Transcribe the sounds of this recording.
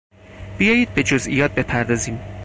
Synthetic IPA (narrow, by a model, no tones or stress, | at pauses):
b̥ijɒːjiːd̪̚be̞d͡ʒozʔḭjɒːt̪̚be̞pʰæɾd̪ɒːziːm